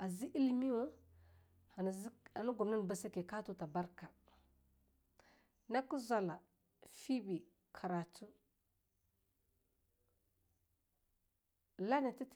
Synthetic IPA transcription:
a˨zi˦ʔi˦li˦mi˦wa˦ | a˨n˨˦a˨nu˦ɡu˨mna˦n˨ba˨sa˦ke˨ka˦tu˨ta˨ba˦ɾka˨ | na˦ku˦zʷa˨la˨ | fi˦bi˨ | kʰa˨ɾa˨tu˦ | la˦ni˨ti˦t

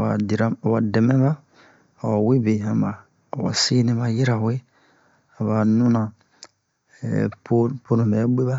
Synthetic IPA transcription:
a˨di˨ɾa˦˨wa˨dɛ˨mɛ̃˦ba˦ | a˨wa˨we˦be˨ã˨mbaː˨ | wa̰˨se˦nĩ˦ma˦ji˦ɾa˨we˦ | a˨ba˨nũ˦nã˨ | po˦po˦nũ˨bɛ˨˦ɡ͡be˦ba˦

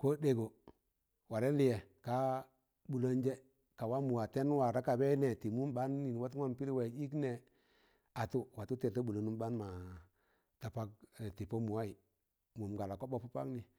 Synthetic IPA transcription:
ko˦de˨ɡo˨ | wa˨ɾe˦li˨˦jɛ˨ka˦ | bu˨lo˦ɲd͡ʒe˦ | ka˨wa˦mu˨wa˨te˦n˦wa˨ɾa˦ka˨bɛ˦ne˨ti˨mu˦mba˦nːi˨nwa˦ta˦mpi˦ɾi˦we˨i˦kne˨ | a˨tu˦wa˨tu˦te˨ta˦bu˨lo˨nu˦ba˦nma˨ | ta˨pa˦k̚ti˨po˦mu˨wa˦i˨ | mu˨mɡa˨la˨ko˦bo˨pu˦pa̰˦kni˨

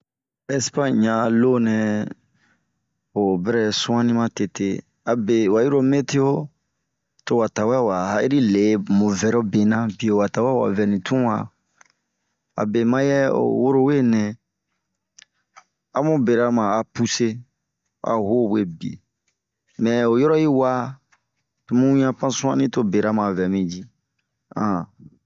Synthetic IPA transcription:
ɛ˦spã˦˨ɲã˨lo˦nɛ̃˨ | o˨bɛ˦ɾɛ˦sũ˦ã˦nĩ˦mã˦te˨te˦ | a˨be˨wa˨ji˦ɾo˦me˦te˦jo˦ | to˨wa˨ta˨wɛ˦˨wa˨ha˦i˦ɾi˦le˨mõ˨vɛ˨ɾo˦be˨nã˦bi˨o˨wa˨ta˨wɛ˦˨wa̰˨vɛ˨nĩ˨tũ˦wa̰˨ | a̰˨be˨mã˦jɛ˦o̰˨wo˦ɾo˦we˦nɛ̃˨ | a˨mũ˦be˨ɾa˦mã˨a˨pu˦se˦ | a̰˨ho˦˨we˦bi˨ḛ˨ | mɛ̃˨o˨jɔ˦ɾɔ˦ji˦wa˦ | tu˨mũ˦ã˦pã˦sũ˦ã̰˦nĩ˦to˦be˨ɾa˦mã˨vɛ˨mĩ˦˨d͡ʒi˦ | ã̰˨

